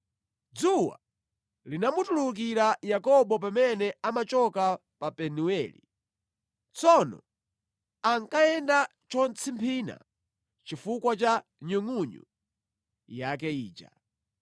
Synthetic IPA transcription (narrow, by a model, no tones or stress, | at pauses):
d͡zuwa̰ | linamutuluk̬iɾajakɔɓɔp̬amɛnɛamat͡ʃɔkapapɛnuɛlḭ | t͡sɔnɔ̰ | aŋkaɛnda | t͡ʃɔnt͡sʰimpʰina̰ | t͡ʃifukwat͡ʃaɲuŋuɲṵ | jak̬ɛḭːt͡ʃa̰